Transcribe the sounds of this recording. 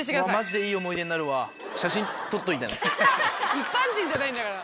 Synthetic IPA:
ɕ̬iɡamaʑid̪e̞iːo̞mo̞ijd̪e̞ɲinaɾɯ̟βa | ɕaɕĩnt̪o̞t̪ːo̞it̪ana̰ | ipːãɲd͡ʑĩɲ̟d͡ʑanaĩnd̪aɡaɾa

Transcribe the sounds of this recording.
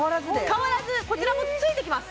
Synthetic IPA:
aɾazɨkaβaɾazɨko̞t͡ɕːiɾakot̪ot͡sɨit̪e̞kʲimasɨ̥

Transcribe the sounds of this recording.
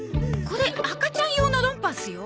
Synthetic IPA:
ko̞ɾe̞akat͡ɕãɰ̃jonoɾõ̞mpasɨjo

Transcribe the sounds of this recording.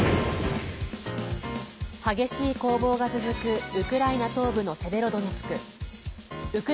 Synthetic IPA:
haɡe̞ɕiːko̞ːbo̞ːɡat͡sɨzɨkɯ̟ɯ̟kɯ̟ɾainat̪o̞ːbɯ̟no̞sebe̞ɾo̞d̪o̞ɲ̟it͡sɨ̥kɯ̟ | ɯ̟kɯ̟

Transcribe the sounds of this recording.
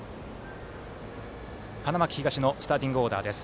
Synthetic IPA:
hanamakʲi̥çiɡaɕino̞sɨ̥t̪aːt̪ʲĩŋɡɯ̟o̞ːd̪a̰ːd̪e̞sɨ̥

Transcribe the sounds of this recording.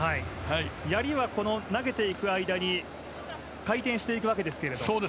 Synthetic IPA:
haihaijaɾʲiβako̞no̞naɡe̞t̪e̞ikɯ̟aid̪aɲ̟i | kait̪ẽ̞ɰ̃ɕi̥t̪e̞ikɯ̟βake̞d̪e̞sɨ̥ke̞ɾe̞d̪osoːd̪e

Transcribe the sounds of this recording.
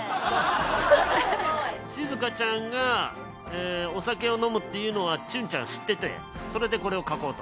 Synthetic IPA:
ɕizɨkat͡ɕãŋɡa | eːo̞sake̞o̞no̞mɯ̟t̪ːe̞jɯ̟no̞βat͡ɕɨ̃ɲ̟t͡ɕã̰ɰ̃ɕi̥t̪ːe̞t̪ḛ̃ | so̞ɾe̞d̪e̞ko̞ɾe̞o̞kako̞ːt̪o

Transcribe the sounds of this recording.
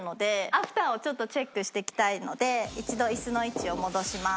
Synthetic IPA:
no̞d̪e̞aɸɯ̟̥t̪aːo̞t͡ɕo̞t̪ːo̞t͡ɕe̞kːɯ̟ɕi̥t̪e̞ikʲi̥t̪aino̞d̪e̞it͡ɕid̪o̞isɨno̞it͡ɕio̞mo̞d̪o̞ɕima

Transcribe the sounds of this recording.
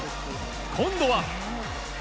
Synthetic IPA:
kʰõnd̪owa

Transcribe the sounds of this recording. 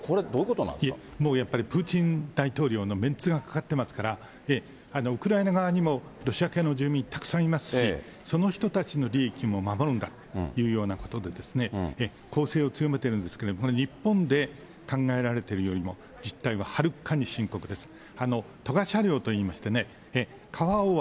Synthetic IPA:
koɾed̪oikot̪ona̰niemo̞ːjapːaɾʲipɯ̟ːt͡ɕĩnd̪̥ait̪o̞ːɾʲo̞ːno̞mẽ̞nt͡sɨɡakḁkat̪ːe̞masɨ̥kaɾa | e | ano̞ɯ̟kɯ̟ɾainaɡaβaɲ̟imo̞ɾo̞ɕiakenoʑɨːmʲĩnt̪ḁkɯ̥sãɰ̃imasɨ̥ɕi | so̞no̞çi̥t̪o̞t̪at͡ɕino̞ɾʲiːkʲimo̞mamo̞ɾɯ̃nd̪at̪ojɯ̟ːjo̞ːnako̞̥t̪o̞d̪e̞d̪e̞sɨ̥ne̞e | kʰo̞ːse̞ːo̞t͡sɨjo̞me̞t̪e̞ɾɯ̟̃nd̪e̞sɨ̥ke̞ɾed̪omokoɾeɾʲipːõ̞nd̪e̞ | kãŋɡae̞ɾaɾe̞t̪e̞ɾɯ̟jo̞ɾʲimo̞ | d͡ʑit̪ːaiβahaɾɯ̟kaɲ̟iɕĩŋko̞kɯ̟d̪esɨ̥ | ano̞ | t̪o̞ɡaɕaɾʲjo̞ːt̪o̞iːmaɕi̥t̪e̞ne̞ː | kʰaβao

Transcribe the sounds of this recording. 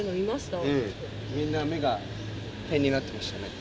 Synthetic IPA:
ɯnoimasɨ̥t̪ae | mʲĩnːame̞ɡa | t̪ẽ̞ɲ̟ːinat̪ːe̞maɕɨ̥t̪ane̞

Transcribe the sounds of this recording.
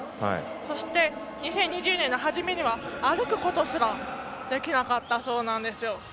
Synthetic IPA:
ha̰ḭ | so̞ɕi̥t̪e̞ | ɲ̟isẽ̞ɲ̟ːiʑɨːnẽ̞nːo̞ɦaʑime̞ɲiβaːɾɯ̟kɯ̟ko̞t̪o̞sɨɾad̪̥e̞kʲinakat̪ːaso̞ːnãnd̪e̞sɨjo̞

